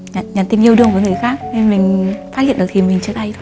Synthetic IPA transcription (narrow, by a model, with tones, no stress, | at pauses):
ɲː˨˩ɲaː˨˩nt̪i˧mɲi˧˩əwɗɨ˧əŋvəː˨˦jŋɨ˨˩əjxaː˦˥k̚ne˧nmï˨˩ŋ̟faː˦˥t̚hḭ˧˨nɗ̚t̪ʰi˨˩mï˨˩ŋ̟t͡ɕɨ˦˥ək̚ɗ̪a˧jt̪ʰo˧j